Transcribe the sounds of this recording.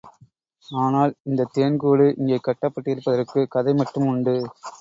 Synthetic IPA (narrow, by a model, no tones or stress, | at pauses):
aːnaːlɪnd̪ɐt̪ːeːɳkuːɽɯʔɪŋɡeːkːɐʈːɐpːɐʈːɪjɪɾɯpːɐðɐɾkɯkɐðɐɪmɐʈːɯmʊɳɖɯ